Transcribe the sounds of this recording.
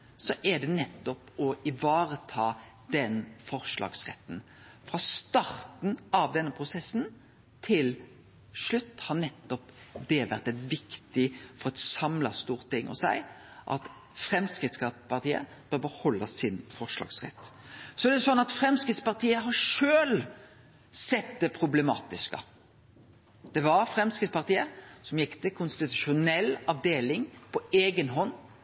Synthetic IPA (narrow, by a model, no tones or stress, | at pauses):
sɔʔæɖ̪ɛnɛt̪ːɔpɔɪʋɑːɾət̪ʰɑː | d̪ɛnfɔɾʂlɑ̰ːɡsʁɛ̰t̪ːn̩ | fɾɑst̪ɑɾt̪n̩ɑʋd̪ɛnːəpʰɾʊsɛsːn | t̪ʰɪl | ʂɭʉt̪ːhɑɾnɛt̪ːɔpd̪ɛʋæɾt̪ɛt̪ʋɪkt̪ɪfɔɾɛt̪sɑmlɑst̪uːɾt̪ɪŋːʔɔ̰sæɪ | ʔɑ̰t̪ | fɾɛmskɾɪt̪skɑpɑʁt̪iːə̰ | b̥œɾbəhɔlːəsɪnfɔʁʂlɑ̰ːɡsʁɛ̰t̪ːsɔæɾɖ̪ɛsɔnːɑt̪fɾɛmskɾɪt̪spɑʁt̪ʰiːəɦɑɾʂøːl | sɛt̪̚d̪ɛpʰɾʊblɛmɑ̰ːt̪ɪskə̰ | d̪̥ɛʋɑɾfɾɛmskɪt̪spɑʁt̪iːəsɔmjɪkːt̪ʰɪkʰʊnst̪ɪt̪ʉ̥ʃʊnɛlːɑʋd̪eːlɪŋpʰɔeːɡənɦɔnː